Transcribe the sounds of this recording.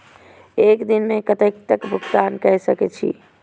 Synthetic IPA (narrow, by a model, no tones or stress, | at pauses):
ekd̪inmekət̪əkt̪əkbʱukt̪ankəɦsəkɛt͡ʃʰḭ